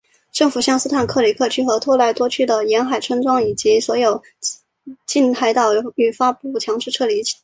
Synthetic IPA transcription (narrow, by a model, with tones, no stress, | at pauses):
ʈ͡ʂɤ˥˩ŋfu˨˩ɕjɑ˥˧ŋsɹ̩˥t̪ʰa˨˩nkʰɤ˥˩li˨˥˩kʰɤ˥˧t͡ɕʰy˥˩xɤ˧˥t̪ʰwɔ˥la˧˥ɪt̪wɔ˥t͡ɕʰy˥˩d̪ə˩jɛ˧˥nxa˨˩ɪʈ͡ʂʰwə˥nʈ͡ʂwɑ˥ŋi˨˩t͡ɕi˧˥swɔ˧˥jo˨˩ʊ | t͡ɕi˥˧nt̪ʰa˥ɪt̪ɑ˥˩ʊy˨˩fa˥pu˥˩t͡ɕʰjɑ˧˥ŋʈ͡ʂɻ̩˥˧ʈ͡ʂʰɤ˥˩li˧˥t͡ɕʰ